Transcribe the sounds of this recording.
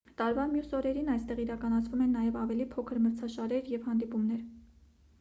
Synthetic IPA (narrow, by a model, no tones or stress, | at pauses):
t̪ɑɾvɑmjusɔɾɛɾinɑjst̪ɛʁiɾɑkɑnɑt͡sʰvumɛnːɑjɛvɑvɛlipʰɔkʰəɾməɾt͡sʰɑʃɑɾɛɾjɛvhɑnd̪ipumnɛɾ